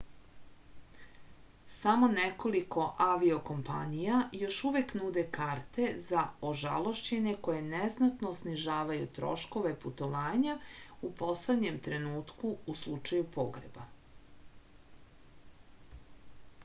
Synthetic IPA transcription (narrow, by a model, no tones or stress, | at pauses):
samo̞neko̞likʰo̞ʔaʋio̞ko̞mpa̰nijajo̞ʃuʋeknuːd̪ekaːɾt̪e̞zaoʒa̰lˠo̞ʃt͡ɕe̞neko̞je̞neznat̪nosniʒaːʋajut̪ɾo̞̰ʃko̞ʋeput̪o̞ʋaːɲaupo̞sled̪ɲe̞mt̪ɾe̞nuːt̪kuuslˠut͡ʃajupoɡɾḛba̰